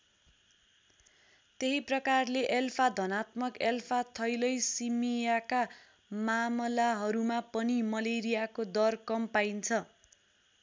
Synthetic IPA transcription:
t̪eɦiprʌkarleʔelpʰad̪ʱʌnat̪̚mʌkelpʰat̪ʰʌjlʌjsimijaka | mamʌlaɦʌɾumapʌnimʌleɾijakod̪ʌrkʌmpajnt͡sʰʌ

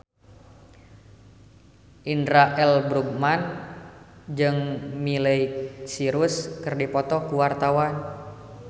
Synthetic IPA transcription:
ʔindɾaʔɛlbɾuɡ̚man | d͡ʒɨŋmiləiksiɾuskɨrdipɔt̪ɔkuwart̪awan

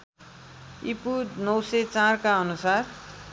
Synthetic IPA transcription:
ipunʌw̃sʌt͡sarkaʌnusar

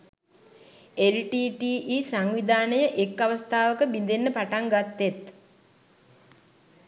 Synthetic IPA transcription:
elʈiːʈiːiːsaŋʋid̪aːnəjəʔekːaʋəst̪ʰaːʋəkəbind̪enːəpaʈaŋɡat̪ːet̪

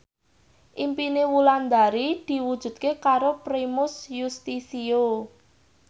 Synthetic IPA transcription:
ʔimpinewuland̪aɾid̪̥i̤wud̥ʒ̥ṳd̪̚kekaɾopɾimʊsjust̪isio

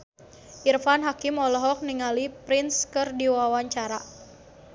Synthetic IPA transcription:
ʔirfanɦakimɔlɔɦɔk̚niŋalipɾinskɨrdiwawaɲt͡ʃaɾa

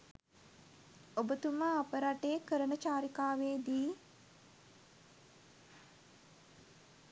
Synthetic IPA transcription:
obət̪uməapəɾaʈeːkəɾənət͡ʃaːɾikaːʋeːd̪iː

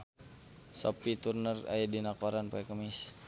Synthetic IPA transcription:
sɔ̰pit̪urnəra̰jɛdinakoɾanpaɛkəmis

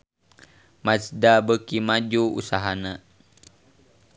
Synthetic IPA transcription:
masdabəkimad͡ʒuṵsaɦanə

